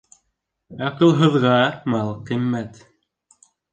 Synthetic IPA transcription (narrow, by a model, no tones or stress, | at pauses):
ɑqɤ̆lˠɦɤ̆ðʁɑmɑlˠqimːæt̪